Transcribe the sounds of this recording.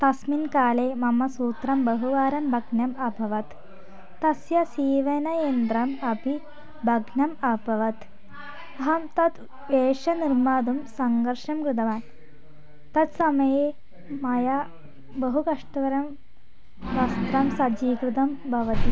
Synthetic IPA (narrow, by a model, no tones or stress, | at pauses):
t̪ɐsminkaːleːmɐmɐsuːt̪ɾɐmbɐɦuʋaːɾɐmbʱɐɡnjɐmɐbʱɐʋɐt̪ː | ɐsjɐsiːʋɐnɐjend̪ɾɐmɐpi | bʱɐɡnjɐmɐbɐʋɐt̪ | ɐɦɐmt̪ɐt̪ | ʋeːʂɐniɾmaːd̪umsɐŋɡɐɾʂɐmkɾɪd̪ɐʋaːn | t̪ɐt̪sɐmɐjeː | mɐja | bɐɦukɐʂʈɐʋɐɾɐm | ʋɐst̪ɾɐmsɐd͡ʒiːkɾɪd̪ɐmbʱɐʋɐt̪i